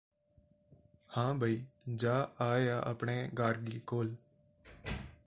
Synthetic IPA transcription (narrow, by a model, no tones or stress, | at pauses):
hãːbʱaiːd͡ʒaːaːjaːʔəpɳeːɡaːɾɡiːkoːl